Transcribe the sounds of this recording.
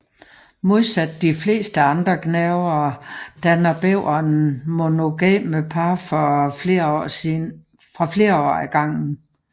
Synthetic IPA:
mo̝ð̞ˠsæd̥ːifle̝̰ːsd̥əɑ̈nd̥ʁɐɡ̥nɛʊɐd̥ænɐb̥eʊ̰ɐnmo̝no̝ɡ̥ɛ̰ːməpʰɑ̈fɒḛi | fʁɑ̈fle̝ːɐɒ̰ːæɡ̥ɑ̈ŋ̰n̩

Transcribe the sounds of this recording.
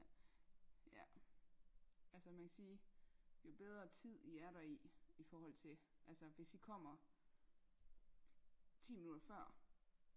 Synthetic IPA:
jæ | ælsəmænkʰæsiːjob̥eð̞ˠʁɐt͡sʰið̞̰ˠiæɐɾɑ̈iifɒːhɒ̽l̰t͡sʰe̝ʔælsəʋe̝sikʰɒ̽m̰ɐ | t͡sʰḭːminud̥ɐfɶɐ̰

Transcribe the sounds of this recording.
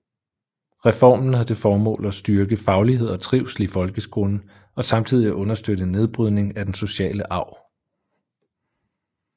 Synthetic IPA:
ʁɛfɒ̰ːmn̩hæðˠd̥e̝fɒːmɔ̰̽ːlɒsd̥yɐɡ̥əfɑ̈ʊliɦe̝ð̞̰ˠɒ̽t͡sʰʁiʊ̰slifɒ̽lɡ̥əsɡ̥ʁo̝nə | ɒ̽sɑ̈mt͡sʰið̞̰ˠiæʔɔ̽nɐsd̥øɾ̥əne̝ð̞ˠb̥ʁyðˠne̝ŋæd̥enso̝ɕɛ̰ːləʔɑ̈ʊ̰

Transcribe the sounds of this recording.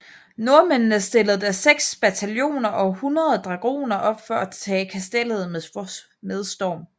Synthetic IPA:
no̝ɐmennəsd̥e̝ləð̩ˠd̥æseɡ̥sb̥æt͡sʰæljo̝̰ːnɐʔɒ̽hunʁɐð̩ˠd̥ʁɑ̈ɡ̥o̝̰ːnɐʔɒ̽b̥fɒæt͡sʰɛ̰ːkʰæsd̥el̰ð̞̩ˠm | með̞ˠsd̥ɒ̰ːm

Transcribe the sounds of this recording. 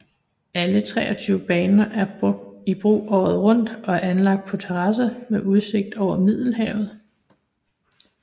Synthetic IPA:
ælət͡sʰʁɛ̰ːɒ̽t͡sʰyʊəb̥ɛːnɐʔæɐbib̥ʁṵːʔɒ̰ːð̩ˠʁɔ̽n̰d̥ɒ̽æɐænlɑ̈ɡ̥̚d̥̚pʰɒ̽t͡sʰeʁɑ̈səmeʔuð̞ˠse̝ɡ̥̚d̥ɒʊ̰ɐmið̞̰ˠl̩ɦɛʊð̞̩ˠ

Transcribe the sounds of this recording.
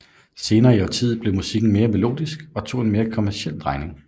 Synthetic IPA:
se̝ːnɐːiɒʊt͡sʰið̩ˠb̥le̝musiɡ̥n̩me̝ːɐmelo̝̰ːd̥isɡ̥ɒ̽t͡sʰo̝̰ːe̝nme̝ːɐkʰɒ̽mæɐsiel̰d̥ʁɑ̈ɪne̝ŋ

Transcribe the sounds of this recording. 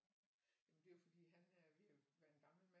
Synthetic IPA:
jæmənd̥e̝fɒ̽d̥ḭːɦænæɐʋi̥ʋæɐe̝nɡ̥ɑ̈ml̩mæ

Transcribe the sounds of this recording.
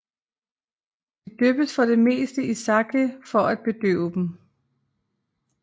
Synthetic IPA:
d̥ed̥øb̥əsfɒ̽ɾ̥e̝me̝̰ːsd̥əisɑ̈ɡ̥ʰəfɒ̽æd̥̚b̥e̝d̥ø̰ʊəd̥m̩

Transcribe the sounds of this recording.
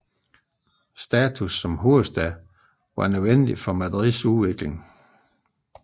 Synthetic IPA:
sd̥ɛːt͡sʰusːɒ̽mɦuɐsd̥æ | ʋɑ̈nøðˠʋen̰d̥ifɒ̽mæðˠʁisuʋe̝ɡ̥le̝ŋ

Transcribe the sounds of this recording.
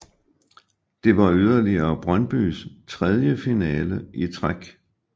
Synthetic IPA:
d̥e̝ʋɑ̈yð̞ˠɐliɐːb̥ʁɶnb̥y̰ːst͡sʰʁɛð̞ˠjəfinɛːləʔit͡sʰʁaɡ̥

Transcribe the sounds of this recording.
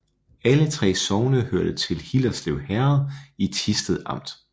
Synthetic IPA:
ælət͡sʰʁɛ̰ːsɒʊnəhøɐ̰d̥ət͡sʰe̝lhilɐsleʊhæɐðˠit͡sʰisd̥əð̩ˠɑ̈m̰d̥

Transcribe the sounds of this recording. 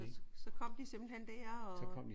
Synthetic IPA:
sɒ̽kʰɒ̽m̰d̥isemb̥l̩hen̰d̥eɐ̰ɒ̽sɒkʰɒ̽m̰d̥i

